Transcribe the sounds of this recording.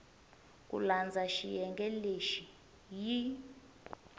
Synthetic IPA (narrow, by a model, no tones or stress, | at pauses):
kʼṵland͡zʱaʃijɛŋɡʱʼɛleʃi | ji